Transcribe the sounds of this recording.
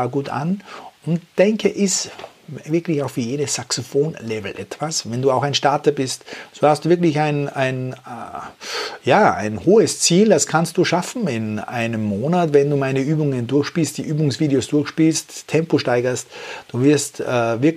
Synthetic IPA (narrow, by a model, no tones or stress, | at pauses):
aɡuːta̰nʊntd̥ɛŋkʰəʔɪs | vɪɐkʰlɪçaʊxfyːɐjeːɾəsːaksofoːnlɛvl̩ʔɛtv̥asvɛnduːaʊxaɪnʃtaɐtɐbɪstzoːhastd̥uːvɪɐklɪçaɪnaɪn | jaːa̰ɪnhoːəst͡siːldaskʰanst̚d̥uːʃafn̩ɪna̰ɪnəmːoːnatvɛnduːmaɪnəyːbʊŋəndʊɐçʃpiːlstd̥iːʔyːbʊŋsv̥iːdeoːsd̥ʊɐxʃpiːlsttʰɛmpoʃtaɪɡɐstd̥uːvɪɐstɛːvɪɐ